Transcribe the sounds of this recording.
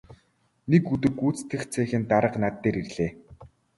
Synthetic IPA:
nekːut̪̬ɘ̆kuːt͡st̪ʰɘ̆xt͡sʰæːxɘ̆nt̪aɾə̆qnat̪ːeːɾirɮeː

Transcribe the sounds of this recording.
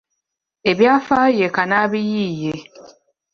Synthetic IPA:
eβjafajekanaβijije

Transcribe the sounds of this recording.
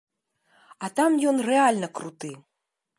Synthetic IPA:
ɐt̪amjɔnrɛalʲnɐkɾut̪ɨ

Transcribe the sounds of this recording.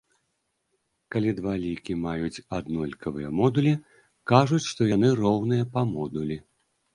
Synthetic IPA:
kalʲid̪valʲikʲimajut͡sʲad̪nɔlʲkʰɐvɨjɐmɔd̪ulʲi | kaʐut͡sʲʂt̪ɔjanɨrɔwnɨjɐpɐmɔd̪ulʲi

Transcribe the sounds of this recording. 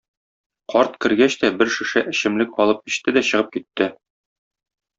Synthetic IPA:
qʰɒɾt̪kɘ̆ɾɡæɕt̪æbɘɾʃɘ̆ʃæʔɘ̆ɕɘ̆mlɘk̚ɒlˠɤp̚kĭ̥ɕt̪ɘd̪æɕɤ̆ʁɤp̚kit̪ːɘ

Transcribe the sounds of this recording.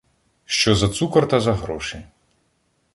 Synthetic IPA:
ʃt͡ʃɔzɐt̪sukɐrt̪ɐzɐɦɾɔʃɪ

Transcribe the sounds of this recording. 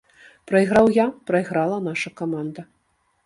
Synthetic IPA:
pɾɐjɣɾawjapɾɐjɣɾalˠɐnaʂɐkamand̪ɐ

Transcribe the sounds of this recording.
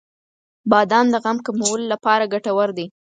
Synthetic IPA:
bɑd̪ɑnd̪əɣamkamawəlolapɑɾaɡaʈawaɾd̪e

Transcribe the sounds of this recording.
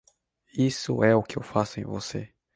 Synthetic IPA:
isʊ̰ɛʊkɪḛwfasʊẽj̃vo̰sḛ

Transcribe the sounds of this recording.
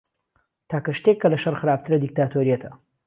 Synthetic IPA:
t̪ʰaːkɐʃt̪ekːɐlɐʃɐrxɨɾaːb̚t̪ʰɨɾɐd̪ik̚t̪aːt̪ʰoɾijɐt̪ʰɐ

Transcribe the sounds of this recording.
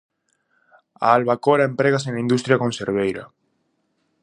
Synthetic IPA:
a̰ːlβakoɾaempɾeɣasenlaĩnd̪ust̪ɾjakonseɾβ̞ejɾa̰

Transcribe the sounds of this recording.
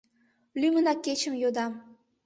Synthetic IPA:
lymənɑkːet͡ɕə̆mjod̪ɑm

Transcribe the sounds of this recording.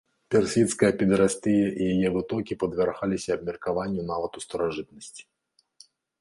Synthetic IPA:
pʲɛrsʲit̪skɐjɐpʲɛd̪ɾasʲt̪ɨjɐʔijajɛvɨt̪ɔkʲipɐd̪vʲarxalʲisʲɐːb̚mʲirkavanʲːunavɐt̪ust̪ɐɾaʐɨt̪nɐsʲt͡sʲi̥

